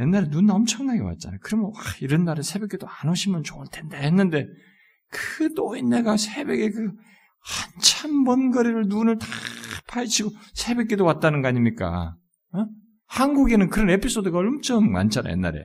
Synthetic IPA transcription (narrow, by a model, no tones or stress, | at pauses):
je̞nːaɾenunaʌmt͡ɕʰʌŋnaɡe̞wa̰t̚t͡ɕ͈a̰na̰jokɯɾʌmjʌnwaiɾʌnːaɾesʰe̞bek͈edoanoɕʰimjʌnt͡ɕoɯɭtʰe̞ndahenːɯnde̞ | kɯt͈oinːeɡasʰe̞be̞ɡe̞kɯ | hant͡ɕʰambʌnɡʌɾiɾɯɭnunɯɭtḁpʰajt͡ɕʰiɡosʰe̞bek͈edowat̚t͈anɯnɡʌaɲimɲik͈a̰ | hanɡuɡe̞nɯnkɯɾʌne̞pʰis͈odɯɡaʌɭʌmt͡ɕʰʌmma̰nt͡ɕʰana̰j̰enːa̰ɾḛ